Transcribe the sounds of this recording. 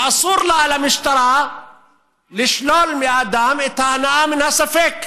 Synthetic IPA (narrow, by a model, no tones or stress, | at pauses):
ʔɑsˤuːɾlaʔalamɪʃt̪ɑɾˤa | lɪʃloːlmiʔad̪aːmɪt̪ahnaʔamɪnhasafek